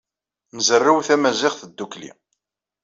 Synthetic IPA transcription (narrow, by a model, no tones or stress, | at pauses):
nəzərːawθæmæzɪχθəd̪ːuklḭ